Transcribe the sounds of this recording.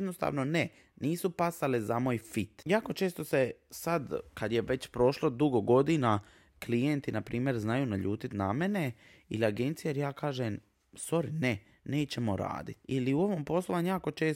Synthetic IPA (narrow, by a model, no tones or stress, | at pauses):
d̪nost̪a̰ːʋno̞ne | niːsupasalezamoːjfit̪jaːko̞t͡ʃeːst̪o̞sesad̪kad̪jeʋe̞t͡ɕpɾo̞ʃlod̪uɡo̞ɡo̞d̪ina | klijent̪inapɾʔiːmje̞ɾznajuːnaʎuːt̪it̪name̞ne̞ | ḭliaɡe̞nt̪sijeɾjaːkaːʒem | so̞ɾine | ne̞ːt͡ɕe̞mo̞ɾa̰ːd̪it̪iliuo̞ʋompo̞slˠoʋaɲujaːko̞t͡ʃe̞ːs